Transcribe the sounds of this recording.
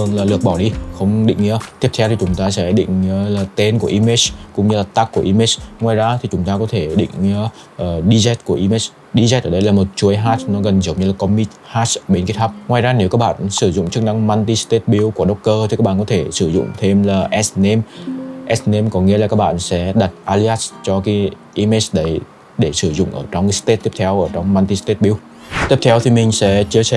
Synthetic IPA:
ɨ˨˩əŋlaː˨˩lɨ˨˩ək̚ɓɔ˧˩ɗi˧xə˧wŋ͡mɗḭ̈˧˨ŋ̟ḭ˧˥ət̪i˦˥əpt̪ʰɛ˧wt̪ʰi˨˩t͡ɕʊ˨˦ŋ͡mt̪aː˧sɛ̰˧˥ɗḭ̈˧˨ŋ̟˧laː˨˩t̪e˧nku˧˩əʔi˧me˦˥t͡ɕkʊ̰˧˥ŋ͡mɲɨ˧laː˨˩t̪a˦˥kku˧˩əʔi˧me˦˥t͡ɕŋwaː˨˩jzaː˧t̪ʰi˨˩t͡ɕʊ˨˦ŋ͡mt̪aː˧kɔ˨˦t̪ʰe˧˩ɗḭ̈˧˨ŋ̟˧˥ | ʔəː˨˩ɗi˧zɛ˦˥t̚ku˧˩əʔi˧me˦˥t͡ɕ | ɗi˧zɛ˦˥t̚ʔəː˧˩ɗə˨˦jlaː˨˩mo˨˩t̚t͡ɕu˨˦ə˦jɦa˦˥tnɔ˨˦ɣə˨˩nzi˨˦wŋ͡mɲɨ˧laː˨˩kɔ˧mi˦˥t̚haː˦˥sɓe˨˦nki˦˥t̚tʰaː˦˥p̚ŋwaː˨˩jzaː˧ne˨˦wka˦˥k̚ɓa̰ː˧˨nsɨ˧˩zʊ̰˧˨ŋ͡mt͡ɕɨ˦˥k̚na˧ŋma˧nt̪i˧st̪e˦˥t̚ɓi˧˦wku˧˩əɗə˦˥wk͡p̚kəː˧t̪ʰi˨˩kːa˦˥k̚ɓaː˧˨˩kɔ˨˦t̪ʰe˧˩sɨ˧˩zʊ̰˧˨ŋ͡mt̪ʰe˧mlaː˨˩ʔɛ˦˥sne˧mʔɛ˦˥sne˧mkɔ˨˦ŋḭ˧əlaː˨˩kaː˦˥k̚ɓa̰ː˧˨nsɛ̰˧˥ɗa˨˩t̚ʔaː˧li˧aː˦˥st͡ɕɔ˧ki˨˦ | ʔi˧me˦˥sɗə˨˧˦j | ɗe˧˩sɨ˧˩zʊ̰˧˨ŋ͡mʔə̰ː˧˩t͡ɕɔ˧wŋ͡mst̪e˦˥t̚t̪i˦˥əp̚t̪ʰɛ˧wʔəː˧˩t͡ɕɔ˧wŋ͡mmaː˧nt̪i˧st̪e˦˥t̚ɓi˧˦w | t̪i˦˥p̚t̪ʰɛ˧wt̪ʰi˨˩mï˨˩ŋ̟sɛ̰˧˥t͡ɕɨ˧əsɛ˧˨

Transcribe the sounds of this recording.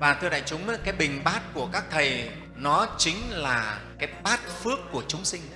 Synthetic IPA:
vaː˨˩t̪ʰɨ˧ɗa̰ː˧˨jt͡ɕʊ˨˦ŋ͡ma˨˦kaː˨˦jɓï˨˩ŋ̟ɓaː˦˥t̚ku˧˩əkaː˦˥k̚t̪ʰə˨˩j | nɔ˨˦t͡ɕï˨˦ŋ̟laː˨˩kaː˨˦jɓaː˦˥t̚fɨ˦˥əkːu˧˩ət͡ɕʊ˨˦ŋ͡msï˧ŋ̟

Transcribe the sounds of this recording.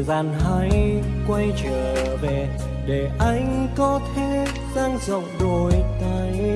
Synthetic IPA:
zaː˧˩nɦaː˧˦j | kwa˧jt͡ɕəː˧˩ve˨˩ | ɗe˨˩ʔa˧jŋ̟kɔ˨˦t̪ʰe˨˦ | zaː˧ŋzə˨˩wk͡p̚ɗo˨˩jt̪aː˧˩j

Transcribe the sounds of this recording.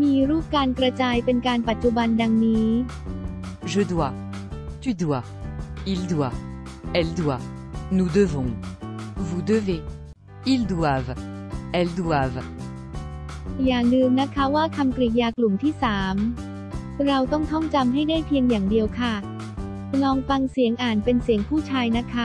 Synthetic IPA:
miː˧ɾuː˥˩p̚kaː˧nkɾa˧t͡ɕaː˧jpe˧nkaː˧npa˨˩t̪̚t͡ɕu˧ba˧nda˧ŋniː˦˥ | ʒəd̪wa | t̪yd̪wa | ild̪wa | ɛld̪wa | nu˨d̪əvɔ̃ | vu˨d̪əve | ild̪waːv | ɛld̪waːv | jaː˨˩ŋnɯː˧mna˦˥kʰa˦˥waː˥˩kʰa˧mkɾi˨˩jaː˧klu˨˩mt̪ʰiː˥˩saː˩˦m | ɾa˧wt̪ɔ˥˩ŋt̪ʰɔ˥˩ŋt͡ɕa˧mɦa˥˩jdaː˥˩jpʰi˧əŋjaː˨˩ŋdi˧əwkʰa˥˩ | lɔː˧ŋfa˧ŋsi˨˩˦əŋʔaː˨˩npe˧nsi˨˩˦əŋpʰuː˥˩t͡ɕʰaː˧jna˦˥kʰa˦˥

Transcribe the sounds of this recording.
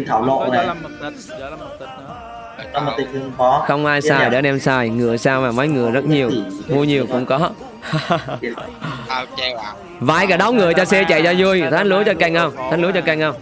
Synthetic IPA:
t̪ʰaː˧˩wlo̰˧˨nna˨˩˨ | ɔ˧˨˦mo˨˩t̪i˨˧˩ŋt̪ɨ˧əŋfɔ˨˦xə˧wŋ͡mʔaː˧jsaː˧jɗḛ˨˦ɗɛ˧msaː˧jŋɨ˨˧˩əsaː˧wmaː˨˩ma˨˦jŋɨ˨˩əjzə˦˥t̚ɲi˨˩əwmu˧əɲi˨˩əwkʊ̰˧˥ŋ͡mkɔ˨˦˧ | va̰ː˧˩jkaː˧˩ɗɔ˨˦wŋ͡mŋɨ˨˩əjt͡ɕɔ˧sɛ˧t͡ɕa̰˧˨jzaː˧zu˧əjt̪ʰaː˨˦nlu˨˦ət͡ɕɔ˧ka˧jŋ̟hə˧wŋ͡mt̪ʰaː˨˦n̟lu˨˦ə˦t͡ɕɔ˧ka˧jŋ̟hə˧wŋ͡m

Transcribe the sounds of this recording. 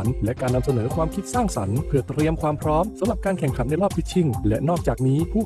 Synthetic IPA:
nlɛ˦˥ʔkaː˧nːa˧msa˧nɤː˩˦kʰwaː˧mkʰi˦˥t̪̚saː˥˩ŋsa˩˦npʰɯ˥˩ɐt̪ɾi˧əmkʰwaː˧mpʰɾɔː˦˥msa˨˦mɾa˨˩p̚kaː˧nkʰɛ˨˩ŋkʰa˩˦nːa˧˩jɾɔː˥˩p̚t̪ʰi˥˩t͡ɕʰi˥˩ŋlɛ̰˦˥ʔnɔː˥˩k̚t͡ɕaː˨˩k̚niː˦˥pʰuː˥˩

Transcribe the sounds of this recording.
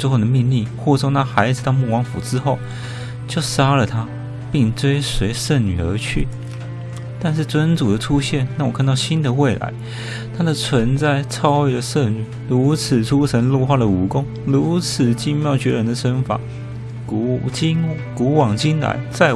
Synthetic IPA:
e˥˧xo˥˩ʊd̪ə˩mi˥˧ŋli˥˩xwɔ˥˧˩t͡sʰo˥˧ŋnʰa˥xa˧˥ɪd͡zɹ̩˨˩t̪ɑ˥˧ʊmu˥˩kwɑ˧˥ŋfṵ˨˩ʈ͡ʂɻ̩˥xo˥˩ʊ | t͡ɕjo˥˩ʊʂa˥lə˨t̪ʰa˥ | pi˥˩ŋt͡swe˥ɪswe˧˥ɪʂə˥˩ny̰˨˩ə̰˞˧˥t͡ɕʰy̰˥˩ | t̪a˥˧nʂ̬ɻ̩˥˩t͡swə˥nt͡su˨˩d̪ə˩ʈ͡ʂʰu˥ɕjɛ˥˨nna˥˩wɔ˨˩kʰa˥˧nt̪ɑ˥˩ʊɕi˥nd̪ə˨we˥˩ɪla̰˧˥ɪ | t̪ʰa˥d̪ə˨t͡sʰwə˧˥nt͡sa˥˩ɪt͡sʰɑ˥ʊwe˥˩ɪdə˩ʂə˥˩ny˨˩lu˧˥t͡s̩ʰ˨˩ʈ͡ʂʰu˥ʂʰə˧˥nlu˥˧xwa˥˩d̪ə˩u˨˥kʊ˥ŋ | ɻu˧˥t͡s̩ʰ˨˩t͡ɕi˥ŋmjɑ˥˩ʊt͡ɕɥɛ˧˥ɻə˧˥nd̪ə˨ʂə˧˥nfa̰˨˩˨ | t͡ɕi˥n | ku˧˥wɑ˨˩ŋt͡ɕi˥nla̰˧˥˦ɪt͡sa˥˩ɪ

